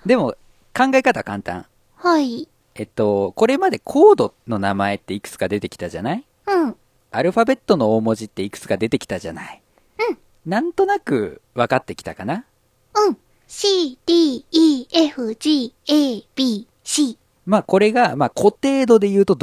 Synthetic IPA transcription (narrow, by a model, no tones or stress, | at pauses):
d̪e̞mo̞ | kãŋɡaekat̪akãnt̪ã̰ŋ | hai | e̞t̪ːo̞ko̞ɾe̞mad̪e̞kʰo̞ːd̪o̞no̞namae̞t̪ːeikɯ̟̥t͡sɨ̥kad̪e̞t̪e̞kʲi̥t̪aʑanai | ɯ̟̃ | aɾɯ̟ɸabe̞t̪ːo̞no̞oːmo̞ʑit̪ːe̞ikɯ̥t͡sɨ̥kad̪e̞t̪e̞kʲi̥t̪aʑa̰nai | ɯ̟̃ | nãnt̪o̞nakɯ̟βakat̪ːe̞kʲi̥t̪akana | ɯ̟̃ɴ | ɕiːd̪̥iːiːeɸɯ̟ʑiːeːb̥ʲiː | ɕiː | maːko̞ɾe̞ɡamaːkʰo̞t̪e̞ːd̪o̞d̪e̞jɯ̟ːt̪o̞d̪